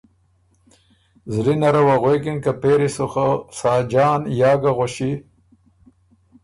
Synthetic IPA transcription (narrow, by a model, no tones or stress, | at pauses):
zlinaɾawaɣeːkinkapeːɾisuxasaːd͡ʒaːnjaːɡaɣoɕi